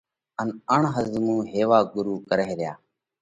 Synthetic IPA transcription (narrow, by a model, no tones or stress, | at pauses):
ənəɳɦəzmũːɦeːʋaːɡʊɾuːkəɾeːɾɪjaː